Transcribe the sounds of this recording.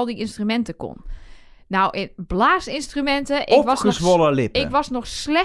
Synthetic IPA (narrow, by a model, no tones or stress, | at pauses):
lˠdiʔɪnstrymɛntəko̰nː | awʔɪnb̥laːsɪnstrymɛntəʔɔʋɔəsʋolˠəlɪpɪkʋɔsnɔxslɛ